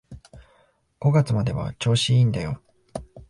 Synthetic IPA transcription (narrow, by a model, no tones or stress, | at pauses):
ɡ̥o̞ɡat͡sɨmad̪e̞βa̰t͡ɕo̞ːɕiĩnd̪ajo̞̰